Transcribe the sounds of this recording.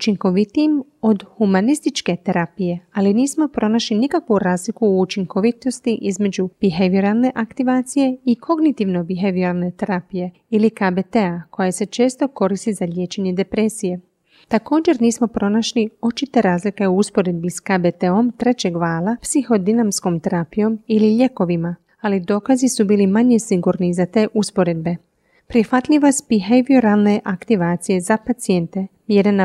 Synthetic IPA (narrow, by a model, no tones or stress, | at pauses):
ut͡ʃiŋko̞ʋit̪iːmo̞d̪humanist̪it͡ʃke̞t̪eɾapije̞aliniːsmo̞pɾo̞naʃlinikakʋuɾaːzlikuut͡ʃiŋko̞ʋit̪o̞st̪iʔizme̞d͡ʑub̥iɦeʋiɾalne̞ʔakt̪iʋaːt̪sije̞ikʰo̞ɡnit̪iːʋno̞biɦeʋiɾalˠne̞t̪eɾapije̞ | ilikabet̪eako̞jese̞t͡ʃe̞ːst̪o̞ko̞ɾist̪izaʎje̞ːt͡ʃe̞ɲe̞d̪e̞pɾe̞sije̞ | t̪ako̞ːd͡ʒe̞ɾniːsmo̞pɾo̞naʃlio̞t͡ʃit̪e̞ɾaːzlike̞uuspo̞ɾe̞d̪̚biskabet̪eo̞mt̪ɾe̞t͡ɕe̞ɡʋaːlˠapsixo̞d̪inamsko̞mt̪eɾapijo̞miliʎe̞ko̞ʋima | alid̪o̞ːkazisubiːlimaɲesiɡuɾnizat̪e̞ːʔuspo̞ɾe̞d̪̚be̞ | pɾixʋat̪ʎʲiʋaspiɦeʋioɾalˠne̞ʔakt̪iʋaːt̪sije̞zapat̪sije̞nt̪e̞mjeɾena